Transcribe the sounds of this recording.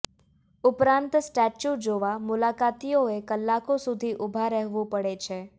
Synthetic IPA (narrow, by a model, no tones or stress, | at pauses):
upɾãnt̪sʈɛt͡ʃud͡ʒoʋamulakat̪ijoekəlːakosud̪ʱiʔubʱaɾɛɦʋũpəɽet͡ʃʰe